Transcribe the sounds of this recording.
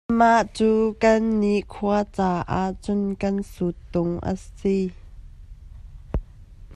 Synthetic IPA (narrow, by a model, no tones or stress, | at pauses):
maʔt͡suːkɐnːiʔkʰuɐt͡saːʔaʔt͡sʊnkɐnsut̪ːʊŋʔə̰si